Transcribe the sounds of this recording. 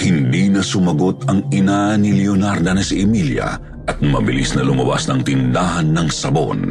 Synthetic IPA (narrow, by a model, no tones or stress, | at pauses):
hɪnd̪inɐsʊmɐɡo̞t̪ɐŋɪnanɪlionaɾd̪ɐnɐsiʔɛmiljɐ̰ | ʔɐt̪̚mɐ̰bɪlisnɐlʊmɐba̰snɐŋt̪ɪnd̪aːɦɐnːɐŋsɐbo̰n